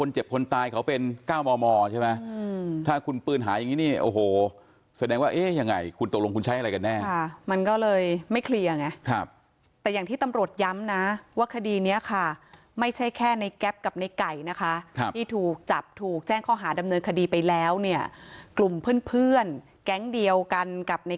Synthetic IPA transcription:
kʰo˧nt͡ɕe˨˩p̚kʰo˧nt̪aː˧jkʰa˦˥wpe˧nkaː˥˩wmɔː˧mɔː˧t͡ɕʰe˥˩ma˦˥˧t̪ʰaː˥˩kʰu˧npɯː˥˩nɦa̰ː˩˦ja˨ŋːiː˦˥niː˥˩ʔo̰ː˨˩hoː˨˩ | sa˧dɛː˧ŋwaː˥˩ʔeː˦˥ja˧ŋːa˧jkʰu˧nt̪o˨˩lo˧ŋku˧nt͡ɕʰa˦˥jʔa˧ɾa˧jka˧nːɛː˥˩a˥˩ma˧nkɔː˥˩lɤː˧jma˥˩jkʰli˧ɐ˧ŋa˧˥kʰa˦˥˩p̚ | t̪ɛː˨˩jaː˨˩ŋt̪ʰiː˥˩t̪a˧mɾu˨˩ət̪̚ja˦˥mna˦˥waː˥˩kʰa˧diː˧ni˦˥ɐkʰa˥˩ | ma˥˩jt͡ɕʰa˥˩jkʰɛː˥˩na˧jkɛ˦˥p̚ka˨˩p̚na˧jka˨˩jna˦˥kʰa˦˥ʔkʰa˦˥p̪ʰiː˥˩t̪ʰuː˨˩k̚t͡ɕa˨˩p̚t̪ʰuː˨˩k̚t͡ɕɛː˥˩ŋkʰɔː˥˩ɦaː˩˦da˧mnɤː˧nkʰa˧diː˧pa˧jlɛː˦˥wni˥˩ɐklu˨˩mpʰɯː˥˩npʰɯ˥˩ən | kɛ˦˥ŋdi˧əwka˧nka˨˩p̚na˧j

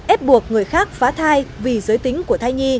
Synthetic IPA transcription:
ʔɛ˦˥p̚ɓu˨˩ək̚ŋɨ˨˩əjxaː˦˥k̚faː˨˦t̪ʰaː˧jvi˨˩zəː˨˦jt̪ï˨˦ŋ̟ku˧˩ət̪ʰa˧jɲi˧

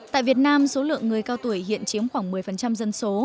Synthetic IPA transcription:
t̪a̰ː˧˨jvi˨˩ət̚naː˧mso˨˦lɨ̰˧˨əŋːɨ˨˩əjkaː˧wt̪u˧˩əjhḭ˧˨ənt͡ɕi˨˦əmxwaː˧˩ŋmɨ˨˩əjfə˨˩nt͡ɕa˧mzə˧nso˨˦

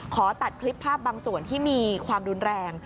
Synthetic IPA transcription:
kʰɔː˩˦t̪a˨˩t̪̚kʰli˦˥pʰːaː˥˩p̚baː˧ŋsu˨˩ənt̪ʰiː˥˩miː˧kʰwaː˧mɾu˧nɾɛː˧ŋ

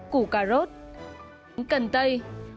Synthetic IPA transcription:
ku˧˩kaː˧˩zo˦˥t̚ | ŋkə˨˩nt̪ə˧j

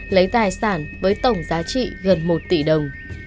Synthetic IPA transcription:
lə˨˦jt̪aː˨˩jsaː˧˩nvəː˨˦jt̪ə˧˩wŋ͡mzaː˨˦t͡ɕḭ˧˨ɣə˨˩nmo˨˩t̚t̪i˧˩ɗə˨˩wŋ͡m

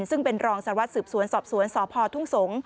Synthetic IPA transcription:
nsɯ˥˩ŋpe˧nɾɔː˧ŋsa˨˩˦wa˦˥t̪̚sɯː˨˩p̚su˨˩˦ənsɔː˨˩p̚su˩˦ənsɔː˩˦˥pʰɔː˧t̪ʰu˥˩ŋso˩˦ŋ

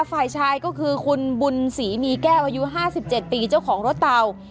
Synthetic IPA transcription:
faː˨˩jt͡ɕʰaː˧jkɔː˥˩kʰɯː˧kʰu˧nbu˧nsiː˩˦miː˧kɛː˥˩wʔaː˧ju˦˥ɦaː˥˩si˨˩p̚t͡ɕe˨˩t̪̚piː˧t͡ɕa˥˩wkʰɔː˩˦ŋɾo˦˥t̪ːa˧w

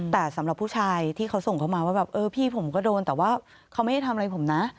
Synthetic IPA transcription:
t̪ɛː˨˩sa˩˦mɾa˨˩pʰːuː˥˩t͡ɕʰaː˧jt̪ʰiː˥˩a˦˥wso˨˩ŋkʰa˥˩wmaː˧waː˥˩bɛː˨˩p̚ʔɤː˧pʰiː˥˩pʰo˩˦mkɔː˥˩doː˧nt̪ɛː˨˩waː˥˩ | kʰa˦˥ma˥˩ja˥˩t̪ʰmʔa˧jpʰo˩˦mna˦˥ʔ

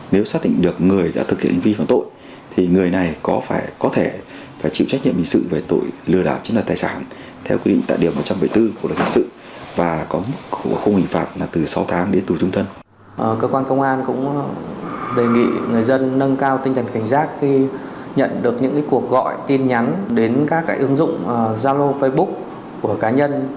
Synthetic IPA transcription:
ne˨˦wsaː˦˥t̚ɗḭ˧˨ŋ̟ɗɨ˨˩ək̚ŋɨ˨˩əjɗa̰ː˧˥t̪ʰɨ˨˩k̚hḭ˧ə˨nhʰi˨˩ŋ˨˧faː˧˩nt̪o̰˧˨j | t̪ʰi˨˩ŋɨ˨˩əjna˨˩jkɔ˨˦faː˧˩jkɔ˨˦t̪ʰe˧˩ | faː˧˩jt͡ɕḭ˧˨wt͡ɕa˦˥k̚ɲḭ˧əmhḭ˧˨ŋsɨ̰˧˨ve˨˩t̪o̰˧˨jlɨ˧əɗaː˨˩w̚t͡ɕnwə˨˩t̪̚ːjsaː˧˩n | t̪ʰɛ˧wkwi˧ɗḭ˧˨ŋt̪ːjɗi˨˩əwmo˨˩t̚t͡ɕa˧mɓə˧˩jt̪ɨ˧ku˧˩˨ɨ˨˩t̚hḭ˧˨ŋsɨ̰˧˨ | vaː˨˩kɔ˨˦mɨ˦˥k̚xə˧ŋ͡mhḭ˧˨ŋfaː˨˩p̚laː˨˩t̪ɨ˨˩sa˨˦wt̪ʰaː˨˦ŋɗe˨˦nt̪u˨˩t͡ɕʊ˧ŋ͡mt̪ʰə˧n | ʔkəː˧kwaː˧nkə˧wŋ͡mʔaː˧nkʊ̰˧˥ŋ͡m | ɗe˨˩ŋḭ˧˨ŋɨ˨˩əjzə˧nːə˧nkaː˧wt̪i˧ŋ̟t̪ʰə˨˩nka˧˩ŋ̟zaː˦˥t̚xi˧ | ɲə̰˧˨nɗɨ˨˩ək̚ɲɨ̰˧˥ŋkaː˨˦jku˨˩ək̚ɣɔ̰˧˨jt̪i˧nɲa˨˦nɗe˨˦nkaː˦˥kːaː˨˦kʔɨ˨˦əŋzʊ̰˧˨ŋ͡mʔə˨˩zaː˧lo˧fə˧jɓʊ˦˥k̚ | ku˧˩əkaː˨˦ɲə˧n

